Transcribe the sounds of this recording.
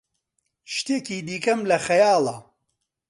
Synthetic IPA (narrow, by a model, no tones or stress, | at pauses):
ʃt̪eːkiːd̪iːkɐmlɐxɐjɑːlˠɐ